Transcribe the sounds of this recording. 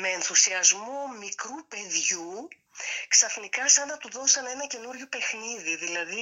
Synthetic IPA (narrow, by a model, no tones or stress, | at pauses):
me̞ːnθusiɐzmomikɾupe̞ðʝu | ksɐfnikɐsɐnd̪ɐt̪uðo̞sɐne̞nɐce̞nuɾʝope̞xniðiðilɐði